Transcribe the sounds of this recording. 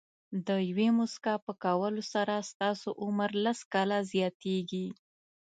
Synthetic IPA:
d̪əjawemʊskapəkawəlosaɾast̪ɑsoʔʊməɾlaskɑlazjɑt̪eɡi

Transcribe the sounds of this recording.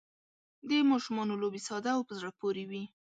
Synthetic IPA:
d̪əmɑʃumɑnolobesɑd̪aːwpəzɽapoɾewi

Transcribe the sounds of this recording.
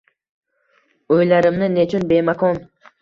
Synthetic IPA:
ojlˠɑɾɪmnɪnet͡ʃʰunbemakon

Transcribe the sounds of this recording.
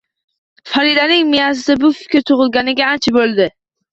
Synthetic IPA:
faɾid̪anɪŋmijasɪd̪abʊfɪ̥kʲɾt̪ʰʊʁɨlˠɡʲanɪɡʲaːnt͡ʃʰabolˠd̪ɪ

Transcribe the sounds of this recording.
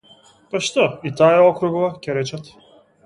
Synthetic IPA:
pɐʃt̪ɔit̪ajaɔkɾuɡɔvacʲɛɾɛt͡ʃat̪

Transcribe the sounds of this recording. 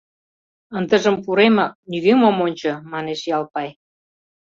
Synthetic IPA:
ənd̪əʒə̆mpuɾemɑk̚nyɣemomonʲt͡ɕɤ̆mɑneʃjɑlpɑj

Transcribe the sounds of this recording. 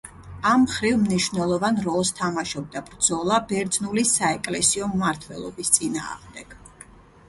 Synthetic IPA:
amχɾivmniʃwvnɛlˠɔvanɾɔlˠst̪ʰamaʃɔb̚d̪abɾd̪zɔlˠabɛɾd̪znulisaɛkʼlɛsiɔmːaɾt̪ʰwɛ̰lˠɔ̰bist̪sʼina̰ːʁmd̪ɛɡ̥

